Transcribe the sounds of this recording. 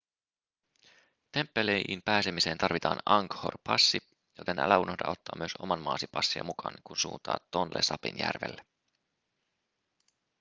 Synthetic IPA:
t̪e̞mpːelejimpæːsemise̞ːnt̪ɑrʋit̪ɑːnɑŋkho̰rpʰɑsːi | jo̞t̪e̞nʔæ̰læunohdɑʔo̞t̪ːɑːmyøso̞̰mɑnmɑːsipɑsːiɑ̰mukʰɑːnkunsuːnt̪ɑ̰ːt̪ːonlḛsɑpḭnjæ̰rʋelːe

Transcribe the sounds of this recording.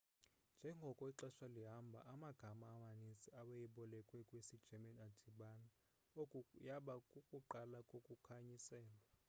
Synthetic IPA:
nd͡ʒʱɛŋɡʱɔkʼɔiǁɛʃaliɦambʱa̰ʔamaɡ̥ʱamaːmanisiaɓajiɓɔlɛkʼwɛkʼwisid̥ʒ̥ʱɛmanadʱiɓana | jaɓakʼukʼuǃalakʼokʼukʰaɲisɛːla

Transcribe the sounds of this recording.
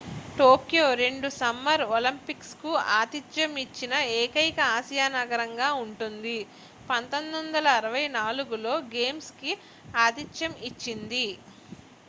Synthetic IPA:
ʈoːkjoːɾe̞ɳɖusɐmːɐɾolimpikskua̰ːd̪it͡ʃjɐmit͡ʃːinɐeːkɐjkɐaːsijaːnɐɡɐɾɐŋɡaːuɳʈund̪i | pɐnt̪o̞nd̪ond̪ɐlɐːɾɐʋɐjnaːluɡulo̞ːɡe̞ːmski | aːd̪it͡ʃjɐmit͡ʃːind̪i

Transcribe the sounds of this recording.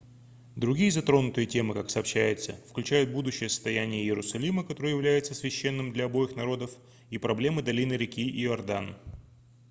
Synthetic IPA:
d̪ɾʊɡʲijəzɐt̪ɾo̞nʊt̪ɨjətʲe̞mɨkaksɐːpɕːæjɪt̪səfklʲʉt͡ɕæjʊt̪̚bud̪ʊɕːɪjəsə̥st̪ɐjænʲɪjəjɪɾʊsɐlʲiməkɐt̪o̞ɾɨjɪvlʲæjɪt̪səsvʲɪɕːe̞nːɨmd̪lʲɐɐbo̞jɪxnɐɾo̞d̪əf | ipɾɐblʲe̞mɨd̪ɐlʲinɨɾʲɪkʲiʔɪɪɐrd̪an

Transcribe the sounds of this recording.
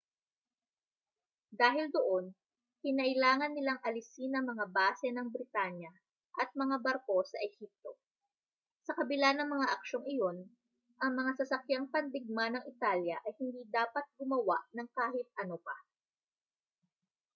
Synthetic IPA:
d̪aːɦɪld̪oʔo̞n | kɪnɐʔɪlaːŋɐnːɪlaŋʔɐlɪsinɐmɐŋabaːsɛnɐŋbɾɪt̪anjɐ | ʔɐt̪̚mɐŋabɐɾko̞sɐʔɛhip̚t̪o̞ | sɐkɐbɪlanɐŋmɐŋaʔɐkʃo̞ŋɪjo̞n | ʔɐŋmɐŋasɐsɐkjaŋpɐnd̪ɪɡ̚manɐŋʔɪt̪aljɐʔɐjhɪnd̪iːd̪aːpɐt̪̚ɡʊmɐwaʔnɐŋkaːhɪt̪̚ʔɐnopa̰

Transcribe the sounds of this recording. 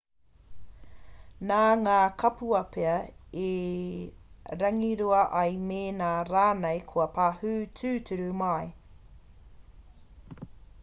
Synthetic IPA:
naːŋaːkʰɐpuɐpʰeɐe | ɾɐŋiɾuɐʔɐjmeːnaːɾaːnejkʰuɐpʰaːhʉːtʰʉːtʰʉɾumɐj

